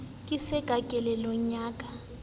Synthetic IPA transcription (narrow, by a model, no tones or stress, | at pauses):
kʼisɛɡ̥ʱakʼɛlɛlɔɲaːkʼa